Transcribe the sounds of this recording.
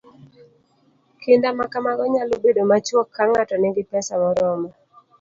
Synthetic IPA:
kɪndamakamaɡɔɲalobedomat͡ʃwɔkʰːaŋatɔnɪɡɪpɛsamɔɾɔmɔ

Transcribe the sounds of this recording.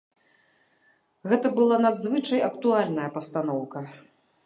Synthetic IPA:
ɣɛt̪ɐbɨlˠanad̪zvɨt͡ʂɐjɐkt̪ualʲnɐjɐpɐst̪anɔwkɐ

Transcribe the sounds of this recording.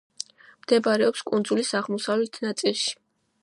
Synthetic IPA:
md̪̥ɛbaɾɛɔpskʼund̪zulisaʁmɔsavlɛt̪ʰnat̪sʼilˠʃi̥

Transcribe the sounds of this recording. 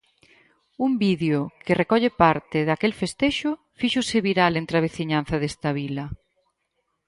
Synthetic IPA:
umbiðjʊkɪrekɔʎepaɾt̪ɪðakelfest̪eʃʊ | fiʃʊsɪβiɾalent̪ɾaβeθiɲanθɐðest̪ɐβilɐ

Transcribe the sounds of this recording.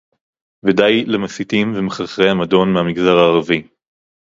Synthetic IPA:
vedajlemasitimvemeχaχʁehamado̞nmehamiɡzaʁaːʁavi

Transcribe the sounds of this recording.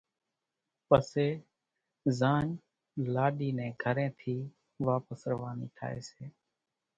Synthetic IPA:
pəseː | zãːɲ | laːɗiːnɛ̃ːɡʱəɾẽːt̪ʰiː | ʋaːpəsɾəʋaːniːʈ̪ʰa̰ːḛːseː

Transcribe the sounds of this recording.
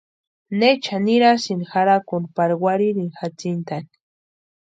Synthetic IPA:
net͡ʃʰaniɾasinixaɾakunpaɾwaɾiɾinxat͡sint̪ani̥

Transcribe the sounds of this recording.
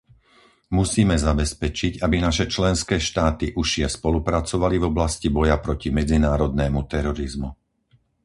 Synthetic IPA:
musiːmɛzabɛspɛt͡ʃiɟabinaʃɛt͡ʃlɛnskɛːʃt̪aːt̪iʔuʃɪɛspɔlupɾat͡sɔʋalivɔblascibɔjapɾɔcimɛd͡zinaːɾɔd̪nɛːmut̪ɛɾɔɾizmu

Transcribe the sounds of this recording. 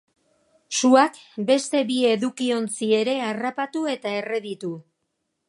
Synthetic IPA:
suak | be̞st̪e̞βie̞ðukio̞nt͡sie̞ɾe̞arapat̪ue̞t̪ae̞re̞ðit̪u

